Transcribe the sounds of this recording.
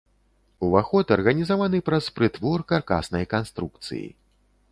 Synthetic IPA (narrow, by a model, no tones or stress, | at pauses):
uvaxɔt̪ɐrɣɐnʲizavanɨpɾɐspɾɨt̪vɔrkarka̰snɐjkanst̪ɾuk̚t̪sɨ̰jḭ